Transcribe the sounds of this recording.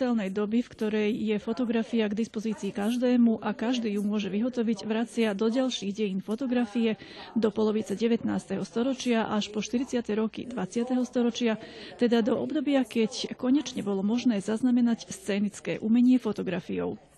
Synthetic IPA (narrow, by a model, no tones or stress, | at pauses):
ɛlnɛjd̪ɔbifkt̪ɔɾɛjːɛfɔt̪ɔɡɾafiaɡd̪ispɔziːt͡siːkaʒd̪ɛːmuʔakaʒd̪iːjumʊɔʒɛʋiɦɔt̪ɔʋiɟʋɾat͡sɪad̪ɔɟalʃiːɣɟɛjiːnfɔt̪ɔɡɾafijɛd̪ɔpɔlɔʋit͡sɛɟɛʋɛt̪naːst̪ɛɦɔst̪ɔɾɔt͡ʃɪaʔaʃpɔʃt̪iɾit͡sɪat̪ɛɾɔkḭd̪ʋat͡sɪat̪ɛɦɔst̪ɔɾɔt͡ʃɪat̪ɛd̪ad̪ɔʔɔbd̪ɔbɪakɛckɔɲɛt͡ʃɲɛbɔlɔmɔʒnɛːzaznamɛnacst͡sɛːnit͡skɛ̰ːʔumɛɲɪɛfɔt̪ɔɡɾafijɔ̰ʊ